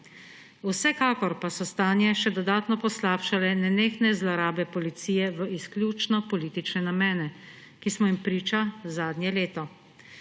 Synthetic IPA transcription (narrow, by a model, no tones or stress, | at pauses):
usɛkaːkɔɾpasɔst̪aːnjɛʃɛd̪ɔd̪aːt̪nɔpɔslaːpʃalɛnɛneːxnɛzlaɾaːbɛpɔlit̪siːjɛʋəisklʲjuːt͡ʃnɔpɔliːt̪it͡ʃnɛnamɛːnɛ | kismɔimpɾiːt͡ʃazaːd̪nʲjɛleːt̪ɔ